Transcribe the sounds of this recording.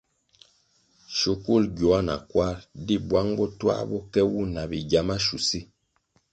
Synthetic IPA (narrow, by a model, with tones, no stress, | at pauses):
ʃo˨ku˦˨lɡɔ˨a˦na̰˨kwa˦ɾdi˦bwa˦ŋbɔ˦twa̰˦bɔ˦kɛ˦wu˦na˨bi˨ɟa˨ma˦ʃu˨si˦